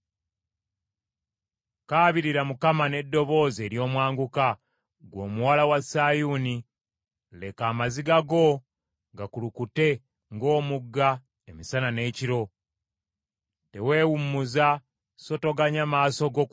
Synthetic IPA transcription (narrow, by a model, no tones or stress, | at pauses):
kaːβiɾiɾamukamane̞dːo̞βo̞ːze̞ːɾjo̞ːmwaːŋɡuka | ɡwo̞ːmuwalawasaːjuni | le̞kaːmaziɡaɡo̞ | ɡakulukute̞ | ŋɡo̞ːmuɡːa | emisanane̞ːciɾo̞ | te̞we̞ːwumːuza | so̞to̞ɡaɲamaːso̞ɡo̞k